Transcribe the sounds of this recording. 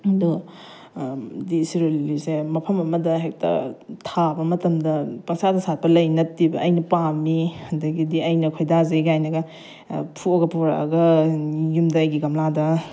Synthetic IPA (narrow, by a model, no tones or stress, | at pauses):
du | disiɾolːisemɐpʰɐmɐmɐdɐɦek̚tɐ̰tʰabɐmɐtɐmdɐpɐŋsadɐsat̚pɐlɐjnɐt̚ibɐʔːjnɐpamiɐndɐɡidiɐjnɐkʰojdazeɡajnɐɡɐ | pʰuɐɡɐpuɾa̰ʔɐɡɐjumdɐːjɡiɡɐmladɐ